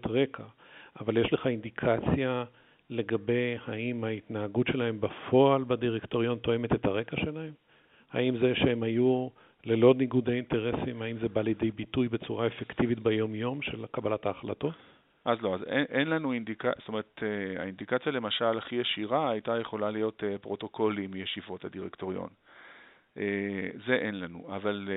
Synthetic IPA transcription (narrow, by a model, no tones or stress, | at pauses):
tʁekʰa | ʔavaljeʃleχaind̪ikʰat͡sja | le̞ɡabe̞jhaimhait̪naaɡutʃe̞lae̞mbafo̞albadiʁekto̞ʁjo̞nt̪o̞eme̞t̪etaʁe̞kaʃe̞lae̞m | ha̰imzeʃeemaju | lelo̞niɡude̞jinte̞ʁe̞simaimzebaːljede̞jbitujbe̞t͡suʁaefektivitbejo̞mjo̞mʃe̞lkabalataːχla̰to̞t | ʔazlo̞azeʔenlanuindikastome̞ʁetʰea̰ind̪ikat͡sjale̞maʃalaχijeʃiʁaajtaje̞χo̞lalijo̞tepʁo̞to̞ko̞limijeʃivo̞tadiʁekto̞ʁijo̰n | ʔeze̞ʔenlanṵaval